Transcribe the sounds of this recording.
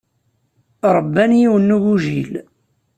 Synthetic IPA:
ɾˤəbːænjiwənːuʝuʒil

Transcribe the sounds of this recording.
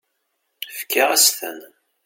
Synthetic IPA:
fkːaʁæsθə̰n

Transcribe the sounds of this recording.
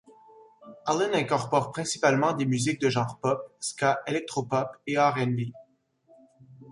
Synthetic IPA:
alənɛ̃kɔʁpɔʁpχɛ̃si̥palmɑ̃d̪emyzik̚d̪əʒɑ̃ʁpɔpskaʔelɛk̚t̪χɔpɔpeaʁɛnbi

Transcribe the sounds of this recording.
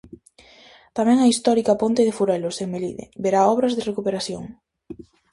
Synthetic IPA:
t̪amɛ̃ŋɐist̪ɔɾikɐpont̪eð̞efuɾɛloseŋmelḭðḛbeɾaɔβɾɐzðerekupeɾaθjo̰ŋ

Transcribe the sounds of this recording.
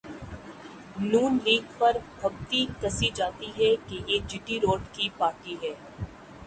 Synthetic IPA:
nuːnliːɡpɐɾbʱɐɡt̪ikɐsid͡ʒaːt̪iɦɛkejeːd͡ʒɪʈiɾoːɖkipaːʈiɦɛː

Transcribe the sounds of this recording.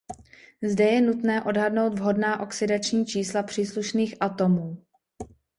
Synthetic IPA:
zdɛjɛnut̪nɛːʔo̞dɦadno̞wd̪vɦo̞dnaːʔo̞ksɪdat͡ʃɲiːt͡ʃiːslapr̝̥iːsluʃniːxʔat̪o̞muː

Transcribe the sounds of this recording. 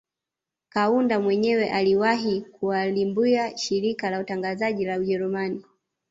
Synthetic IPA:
kaundamwɛɲɛwɛʔaliwaɦikuwalimbiaʃiɾikalautaŋɡazaʄilauʄɛɾumani

